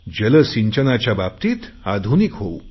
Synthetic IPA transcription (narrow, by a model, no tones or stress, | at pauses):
d͡ʑələsiɲt͡ɕənat͡ɕjabab̚t̪iːt̪ | ad̪ʱunikɦou